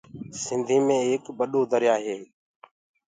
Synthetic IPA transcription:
sɪnd̪ʱiːmẽːeːkbəɗoːd̪əɾjaːɦeː

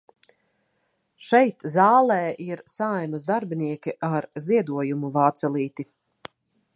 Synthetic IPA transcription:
ʃɛjt̪zaːlˠɛːʔiɾsajmazd̪aɾbiniɛkʲiʔaɾziɛd̪uɔjumuvaːt̪sɛlˠiːt̪i

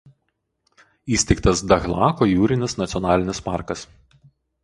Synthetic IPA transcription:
iːsʲt̪ʲɛɪkt̪ɐsd̪ɐɣlˠɑːkɔːjuːɾʲɪnʲɪsnɐt̪sʲɔnɑːlʲɪnʲɪspɑ̰ˑɾkɐs

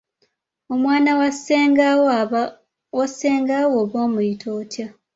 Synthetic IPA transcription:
omwaːnawaseŋɡaw | waseːŋɡawoːβo̞ːmujitʰoːtja

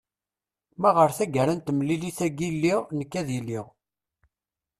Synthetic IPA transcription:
mæʁəɾθæɡəɾænt̪əmliliθæɡilːiʁnəkːæðilːiʁ

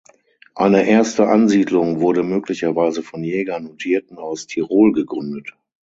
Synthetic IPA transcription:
ʔaɪnəʔeːɐstəʔanziːdlʊŋvʊɐɾəmøːklɪçɐvaɪzəfɔnjɛːɡanotʰiːɐtn̩aʊstʰiʁoːlɡəɡʁʏndət

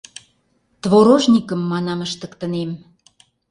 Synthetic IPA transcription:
t̪βoɾoʒnʲikəmːɑnɑməʃt̪ə̆kt̪ə̆nem

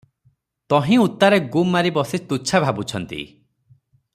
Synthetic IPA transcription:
t̪ɔɦĩut̪ːaɾeɡumːaɾibɔsist̪ut͡ʃʰabʱabut͡ʃʰɔnt̪ḭ

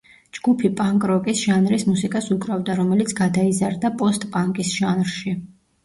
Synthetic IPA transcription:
d͡ʒɡupʰipʼaŋkʼɾɔkʼisʒ̥anɾismusikʼasuɡɾavd̪aɾɔmɛlit̪sʰɡad̪aizaɾd̪apʼɔst̪ʼpʼaŋkʼisʒ̥anɾʃi

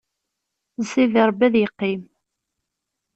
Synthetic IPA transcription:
ziðəɾˤbæðjəqːim

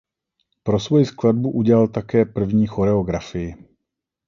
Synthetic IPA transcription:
pɾo̞svo̞jɪsklad̚buʔuɟɛlalt̪akɛːpr̩vɲiːxo̞ɾɛo̞ɡɾafɪjɪ

